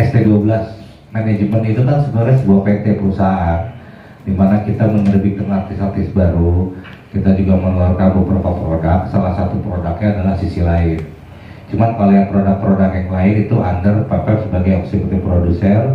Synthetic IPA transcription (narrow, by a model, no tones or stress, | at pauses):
ɛst̪eduabəlas | maned͡ʒmənit̪ukansədaɾasəbuahpɛnt̪epəɾusaɦaan | dimanakit̪amənərbid̪əŋar̚t̪ɪsar̚t̪ɪsbaɾu | kit̪ad͡ʒuɡamənulaɾukabəpəɾopapəɾodak̚salahsat̪upəɾodakɲaːdalahsisilaɪn | t͡ʃumankalojaŋpəɾodak̚pəɾodakjaŋlaɪnit̪uʔandərpapɛpsəbaɡajɔksipət̪ipɾodusər